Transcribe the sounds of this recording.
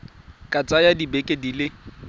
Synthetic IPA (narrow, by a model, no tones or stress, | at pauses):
kʼat͡sʼajadibekʼedilɪ